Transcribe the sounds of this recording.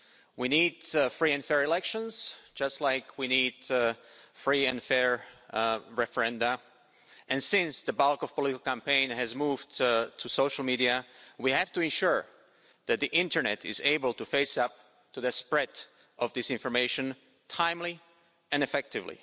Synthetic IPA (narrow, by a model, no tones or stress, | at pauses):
winidfɹiɨ̃nfɛɹɨlɛkʃə̃nz̥d͡ʒʌstˡlaɪkʰwinid | fɹiɨ̃nfɛɹ | ɹɛfə˞ɛ̃ndə | ɨ̃nsɪ̃nsðəbalˠkɔv̥pɔlɪɾɪkl̩ˠkæ̃mpẽɪ̃nɨzmuvtʰɨsoʊʃl̩ˠmiɾiɨwihæftɨɨ̃nʃʊɹ | ðɨt̪̚ðiʔɪ̃ntʰə˞nɛɾɪ̰zeɪbəl̩ˠtɨfeɪsʌp̚ | tuðɨspɹɛɾ | ʔʌvðɪsɪ̃ɱfə˞meɪʃɨ̃n | tʰãɪ̃mli | ɨ̃nɨfɛk̚tɨvlḭ